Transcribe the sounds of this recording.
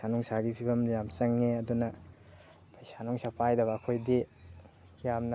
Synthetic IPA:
sanuŋsaɡipʰibɐmjamt͡ʃɐŋniɐdunɐ | pʰɐjsanuŋsapʰajdɐβɐːkʰojdi | jamnɐ

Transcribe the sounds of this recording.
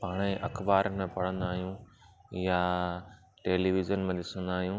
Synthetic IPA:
paːɽ̃eʔɐ̰xbaːɾəmẽpɐɽ̤ə̃nd̪aːɦijũːja | ʈeːliʋɪzənmẽd̪ɪsə̃nd̪aːɦijũː

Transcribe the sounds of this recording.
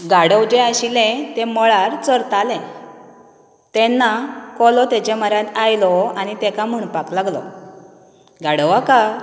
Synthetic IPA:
ɡaɽəwd͡ʑeaɕilɛ̃t̪ɛmɔɭaɾt͡səɾt̪alɛ̃ | t̪ɛ̃nːakɔlɔt̪ɛt͡ɕɛməɾjãt̪ajlɔañit̪ɛkam̤əɳpaklaɡlɔ̰ | ɡaɽəʋaka

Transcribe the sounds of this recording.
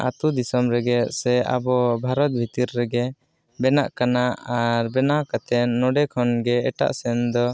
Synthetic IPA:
ʔa̰t̪ud̪isɔmɾɛɡɛsɛa̰bɔbʱaɾɔt̪̚bʱit̪iɾːɛɡɛ | bɛnaʔkanaʔaɾbɛnakat̪ɛnːɔɖɛkʰɔnɡɛɛʈa̰ʔsɛnd̪ɔ

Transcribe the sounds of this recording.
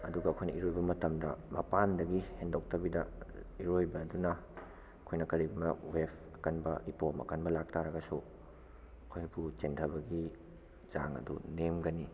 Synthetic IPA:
ɐduɡɐːkʰojnɐiɾojbɐmɐtɐmdɐmɐpandɐɡihendok̚tɐbidɐiɾojbɐːdunɐ | ɐkʰojnɐkɐɾiɡumɐ̰wepʰ | ɐkɐnbɐ̰ʔipomɐ̰kɐnbɐlak̚tʰaɾɐɡɐsu | ɐkʰojbut͡ʃentʰɐbɐɡi | za̰ŋɐ̰dṵnemɡɐni

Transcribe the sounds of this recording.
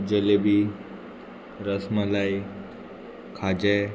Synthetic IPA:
d͡ʑəlebi | ɾəsməlai | kʰad͡ʑe

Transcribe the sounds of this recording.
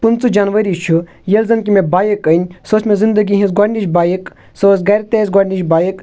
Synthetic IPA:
punt͡sud͡ʒanʋɐɾit͡ʃʰu | jelzɐnkimẽbaːjikɐnʲsoːsʰmẽzind̪əɡiɦĩnsɡaɾʲniʃbaːjik | sosɡɐɾʲt̪esɡaɾniʃbaːjik

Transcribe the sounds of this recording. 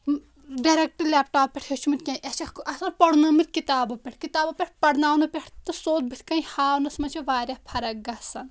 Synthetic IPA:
ɖɐɾek̚ʈɐlʲeːp̚ʈaːpːeʈʰʲhet͡ʃʰumit̪ʲkʲɐ̃ʔɐt͡ʃɐkʔɐsɐnpɐɽnɐmit̪̚ʲkit̪aːbɐpʲeʈʰkit̪aːbɐpʲeʈ̚ʰʲpɐɽnaːwnɨpʲeʈʰt̪ɨsoːt̪̚bit̪ʰʲkɐihaːnɐsmɐt͡ʃʰiʋaːɾʲɐhpʰɐɾɐkɡɐsɐn

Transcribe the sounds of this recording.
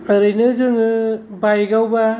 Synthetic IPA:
ɯɾɯjnɯzɯŋɯ | bajɡawba

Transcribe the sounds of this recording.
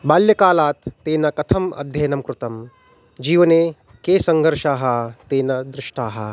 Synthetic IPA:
baːljɐkaːlaːt̪ːeːnɐkɐt̪ʰɐmɐ̰d̪ʱjɐjnɐmkɾut̪ɐm | d͡ʒiːʋɐneː | keːsɐŋɡʱɐɾʃaːɦɐt̪eːnɐd̪ɾɪʂʈaːɦɐ̰

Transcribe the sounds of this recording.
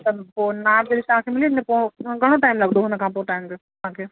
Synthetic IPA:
ɐt̪ɐponadelisɦãːkʰemɪlinẽpoɡʱɐɽ̃õʈaːɪmlɐɡd̪oɦnɐkãpoʈaːɪmɡe | ɦãkʰe

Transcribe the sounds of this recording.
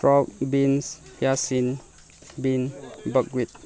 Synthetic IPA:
ɹɔk̚binsjasĩn | binbək̚wit̪̚

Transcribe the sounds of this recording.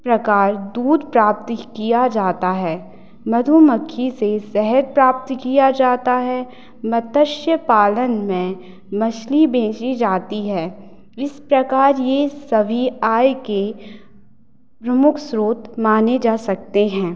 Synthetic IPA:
pɾɐkaːɾd̪uːd̪pɾaːp̚t̪kijad͡ʒaːt̪aɦɛː | mɐd̪ʱumɐkʰːisesɛɦəɾ̚pɾaːp̚t̪kijad͡ʒaːt̪aɦɛ | mɐt̪əʃjəpaːlənmẽ | mɐʃlibẽːt͡ʃid͡ʒaːt̪iɦɛː | ɪspɾɐkaːɾjesɐbʱiaːjke | pɾɐmʊkʰsɾoːt̪maːned͡ʒaːsɐk̚t̪eɦɛ̃ː

